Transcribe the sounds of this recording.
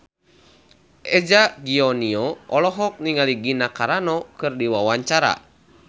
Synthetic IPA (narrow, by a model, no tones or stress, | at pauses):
ʔɛd͡ʒaɡiɔniɔʔɔlɔɦɔk̚niŋaliɡinakaɾanɔkɨrdiwawaɲt͡ʃaɾa̰